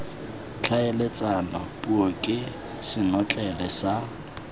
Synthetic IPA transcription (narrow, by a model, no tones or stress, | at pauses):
t͡ɬʰaelet͡sʼanapʼuɔkʼɪ | sɪnɔt͡ɬʼɛlɛsa